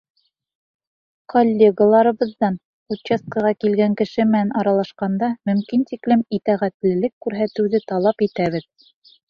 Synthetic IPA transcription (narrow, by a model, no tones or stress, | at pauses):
kolʲːeɡəlˠɑɾɤ̆βɤ̆ðːɑn | uɕest̪̚kəʁɑkilɡæŋkɘ̆ʃɘmɘ̆nænʔɑɾɑlˠɑʃqɑnd̪ɑmɵ̆mkint̪iklɘmit̪æʁæt̪lɘ̆lɘkːʉɾɦæt̪ɘ̆wðɘt̪ɑlˠɑpit̪æβɘð